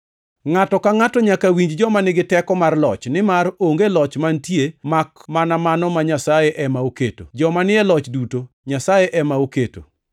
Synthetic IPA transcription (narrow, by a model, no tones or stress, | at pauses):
ŋatɔkaŋatɔɲakawiɲd͡ʒd͡ʒɔmanɪɡɪtɛkɔmarlɔt͡ʃnɪmaroŋɡelɔt͡ʃmantjemakmanamanɔmaɲasajeʔɛmaoketo̰d͡ʒɔmanɪɛlɔt͡ʃduto | ɲasajeʔɛmaoketo̰